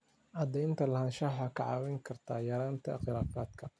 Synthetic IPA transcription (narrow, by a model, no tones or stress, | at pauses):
ʔɑd̪ɛjnt̪ʰɐlɐhɐnʃɐħɑkʰɑʕɑːwɛŋkʰɐrt̪ʰaːjɐɾaːnt̪ʰɐ̰χɪlaːfaːd̪kʰɐ